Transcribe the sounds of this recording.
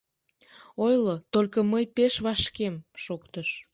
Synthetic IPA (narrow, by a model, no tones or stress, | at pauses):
ojlot̪olʲkəməjpeʃβɑʃkemʃokt̪əʃ